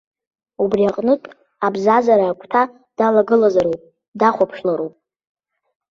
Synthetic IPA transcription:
ubriaqʼnɨtʼ | abzazaɾaːkʷʼʰtʰa | d̥alaɡɨlazaɾowpʼ | daχʷapʰʂlaɾowpʼ

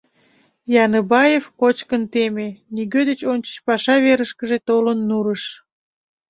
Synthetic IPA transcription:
jɑnəbɑjefkot͡ɕkənt̪emeniɣød̪et͡ɕonʲt͡ɕə̥̆t͡ɕpɑʃɑβeɾəʃkəʒet̪olənːuɾəʃ

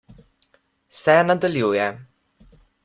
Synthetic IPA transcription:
sɛːnad̪əljuːjɛ

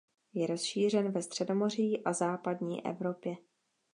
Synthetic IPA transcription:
jɛɾo̞sʃiːr̝ɛnvɛst̪r̥ɛdo̞mo̞r̝ɪjːʔazaːpadɲḭːʔɛ̰vɾo̞pjɛ

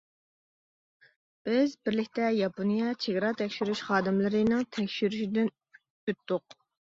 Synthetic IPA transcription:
b̥ɪzbɪɾlɪkʲt̪ɛjɑponijɑt͡ʃʰeɡʲɾɑt̪ʰɛkʲʃyɾyʃχɑːd̪ɨmlˠɨɾɨnɨŋt̪ʰɛkʲʃyɾyʃid̪ɪn | øt̪ːʊq

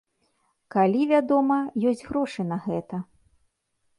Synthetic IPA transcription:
kalʲivʲad̪ɔmɐjɔsʲd͡zʲɣɾɔʂɨnɐɣɛt̪ɐ

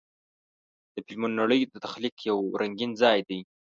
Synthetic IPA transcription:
d̪̥əpɪlmʊnːaɽəjod̪ət̪axlikjawɾʔaŋɡinzɑjd̪aj

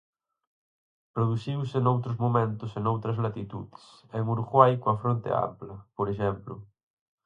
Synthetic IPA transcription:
pɾoðusiwsenowt̪ɾʊzmõmẽnt̪ʊsenowt̪ɾɐzlat̪it̪ṵðɪ̥sseŋuɾɣwajkoɐfɾont̪ḛa̰mplɐpoɾeʃɛmplʊ

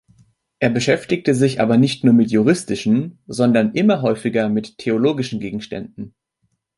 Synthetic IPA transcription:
ʔeːɐbəʃɛftɪk̚təzɪçʔa̰ːbɐnɪçtnuːɐmɪtjuʁ̞ɪstɪʃn̩zɔndɐnʔɪmɐɦɔʏfɪɡɐmɪtʰːeoloːɡɪʃn̩ɡeːɡŋ̩ʃtɛ̰ndn̩

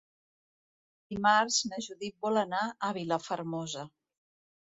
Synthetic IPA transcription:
d̪imaɾznəʒuðit̪̚bɔlənaʔəβiləfəɾmɔzə

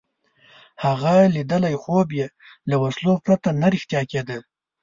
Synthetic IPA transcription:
haɣalid̪əlajxobje | lawaslopɾat̪anaɾɪxt̪jɑked̪ə

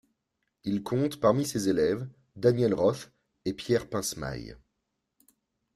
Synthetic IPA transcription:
ilkʰɔ̃t̪paʁmisezelɛv | d̪anjɛlʁɔf | epjɛʁpɛ̃sma̰j

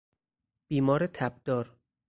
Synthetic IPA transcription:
b̥iːmɒːɾet̪ʰæb̚d̪ɒːɾ

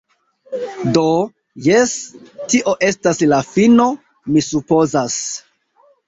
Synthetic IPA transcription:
do | jestiʔo̞ʔe̞staslafino̞ | misupo̞zas

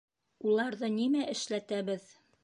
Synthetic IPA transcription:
ulˠɑɾðɤnimæʔɘ̆ʃlæt̪æβɘð

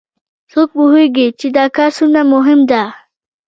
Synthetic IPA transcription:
sok̚pʊɦeɡit͡ʃed̪ɑkɑɾsunamʊɦɪmd̪a

